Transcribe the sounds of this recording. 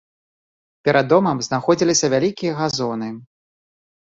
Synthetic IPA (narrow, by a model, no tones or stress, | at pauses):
pʲɛɾad̪ːɔmɐmznaxɔd͡zʲilʲisʲɐvʲalʲikʲijɐɣazɔnɨ